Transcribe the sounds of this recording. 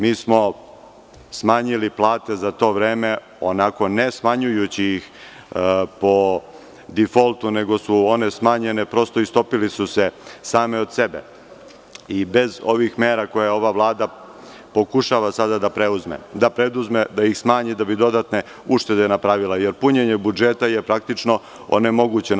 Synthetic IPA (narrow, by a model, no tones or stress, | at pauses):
miːsmo̞ | smaɲiliplˠaːt̪e̞zat̪o̞ːʋɾeːme̞ | o̞nako̞ne̞smaɲujut͡ɕijix | po̞ | d̪ifo̞lˠt̪une̞ɡo̞suo̞ne̞smaːɲenepɾo̞st̪o̞ist̪o̞pilisusesaːmeo̞d̪se̞bḛ | ibe̞zo̞ʋixmeːɾako̞jeo̞ʋaʋlˠaːd̪a | po̞kuʃaʋasad̪ad̪apɾeuzmḛd̪apɾed̪uzme̞d̪aixsmaːɲid̪abid̪o̞d̪at̪ne̞ | uʂt̪e̞d̪enapɾaːʋilajeɾpuɲeɲebud͡ʒet̪ajepɾak̚t̪it͡ʂno̞ | o̰ne̞mo̞ɡuːt͡ɕe